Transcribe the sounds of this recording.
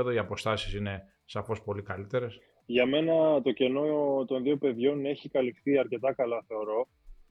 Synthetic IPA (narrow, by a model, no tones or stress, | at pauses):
ðoiɐpo̞st̪ɐsi̥sine̞ | sɐfo̞spo̞likɐlit̪e̞ɾe̞s | ʝɐme̞nɐt̪o̞ce̞no̞t̪o̞nðio̞pe̞ðʝo̞ne̞çikɐlifθiɐɾce̞t̪ɐkɐlɐθe̞o̞ɾo̞